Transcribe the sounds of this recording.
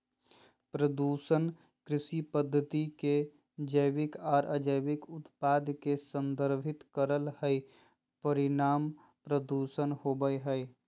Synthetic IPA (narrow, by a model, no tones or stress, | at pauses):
pɾəd̪uːsən | kɾɪsipəd̪ʱːət̪ike | d͡ʒəjwɪkɔːɾʔəd͡ʒəjwɪkʊt̪paːd̪kesə̃nd̪əɾbʱɪt̪kəɾəlhəi | pəɾɪnaːm | pɾəd̪uːsənhobəjɦəj